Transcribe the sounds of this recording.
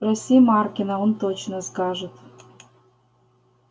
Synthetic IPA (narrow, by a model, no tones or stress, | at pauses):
rosʲijmɑrkʲinɑunt̪ot͡ɕnəskɑʒə̆t̪